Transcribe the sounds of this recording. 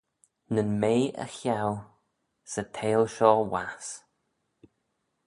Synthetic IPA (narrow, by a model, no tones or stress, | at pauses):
nənmeːə̰xjaw | sətʰeːlʃɔːwas